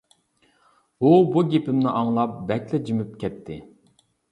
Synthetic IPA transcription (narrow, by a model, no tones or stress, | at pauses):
ubuɡʲepɪmnɪʔɑŋlˠɑp̚bɛkʲlɛd͡ʒimyp̚kʲɛt̪ʰːɪ